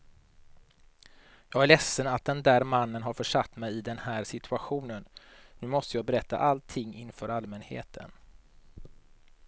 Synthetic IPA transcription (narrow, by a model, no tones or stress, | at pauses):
jɑːɡæɭɛsːənat̪̚d̪ɛnd̪æːɾmanːənɦaɾfœʂat̪ːmɛjɪd̪ɛnhæːɾʂɪt̪ʰɵaɧuːnənnʉ̟ːmɔst̪əjɑːɡbɛɾɛt̪ːa̰ʔalt̪ʰːɪŋːɪnfœːɾalmɛnhḛːt̪ʰə̰n